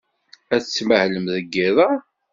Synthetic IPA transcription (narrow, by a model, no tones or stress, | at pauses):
æθt͡sːməhləmðəɡːɪðˤə